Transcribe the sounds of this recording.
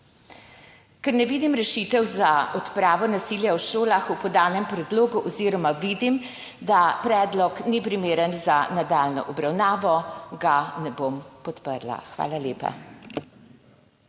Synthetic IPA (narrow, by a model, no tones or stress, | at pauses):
kɛɾnɛʋiːd̪imɾɛʃiːt̪ɛwzaɔt̪pɾaːʋɔnasiːljawʃoːlaxupɔd̪aːnɛmpɾɛd̪loːɡuʔɔziːɾɔmaʋid̪im | d̪apɾɛːd̪lɔknipɾimeːɾənzanad̪aːlnɔ̰ʔɔbɾawnaːʋɔɡanɛbompɔt̪pəɾla̰xʋa̰ːlaljeːpa̰